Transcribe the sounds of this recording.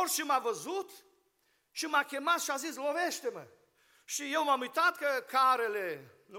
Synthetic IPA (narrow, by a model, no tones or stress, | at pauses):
rʃimavəzut̪ | ʃimakʲe̞mat̪ʃiazisloveʃt̪emə̰ | ʃijewmamujt̪at̪kəkaɾele | n